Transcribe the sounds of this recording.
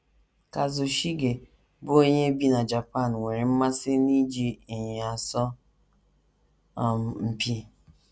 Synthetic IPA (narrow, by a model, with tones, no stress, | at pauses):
ka˨zʊ˨ʃi˦ɡe˨ | bʊ˦o˦ɲe˦bi˦na˨d͡ʒa˨pa˦˨n˨ŋʷe˨ɾɪ˨m̩˦ma˦sɪ˦ni˦d͡ʒi˦˨ɲ˨a˨sɔ˦˨ | m˨m̩˨pi˦